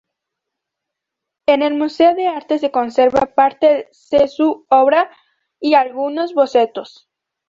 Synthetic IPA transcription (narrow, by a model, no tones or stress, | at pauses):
ene̞lmuse̞oðe̞aɾt̪e̞s̬e̞ko̞nseɾβapaɾt̪esesuoβɾa | ialɣuno̞zβo̞se̞t̪o̞s